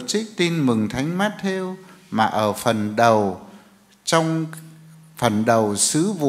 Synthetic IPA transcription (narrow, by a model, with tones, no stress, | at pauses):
t͡ɕï˦˥k̚t̪i˧nmɨ˨˩ŋt̪ʰa˨˦jŋ̟maː˦˥t̚t̪ʰe˧wmaː˨˩ʔəː˧˩fə˨˩nɗə˨˩w | t͡ɕɔ˧wŋ͡m | fə˨˩nɗə˨˩wsɨ˨˦vṵ˧˨